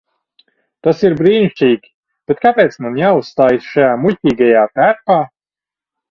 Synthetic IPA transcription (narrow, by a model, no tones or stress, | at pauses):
t̪asiɾbɾiːnʲiʃʲiːɡʲi̥ | b̥et̪̚kapʲeːt̪smanjaːussːt̪aːjisʃajaːmuʎʲcʲiːɡajaːt̪æɾpaː